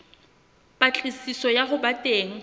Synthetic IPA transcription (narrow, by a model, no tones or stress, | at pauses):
pʼat͡ɬʼisisɔjaɦʊbatʼeːŋ̩